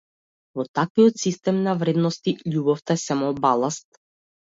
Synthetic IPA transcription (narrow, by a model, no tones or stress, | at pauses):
vɔt̪akvijɔt̪sist̪ɛmnavɾɛd̪nɔst̪iʎubɔft̪asamɔbalˠast̪̚